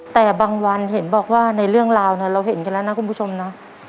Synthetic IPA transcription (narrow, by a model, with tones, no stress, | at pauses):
t̪ɛː˨˩baː˧ŋwa˧nhe˩˦nbɔː˨˩k̚waː˥˩na˧jɾɯ˥˩əŋɾaː˧wna˦˥˩ɾa˧wɦe˨˩˦nka˧nlɛ˦˥na˦˥kʰu˧npʰu˥t͡ɕʰo˧mna˦˥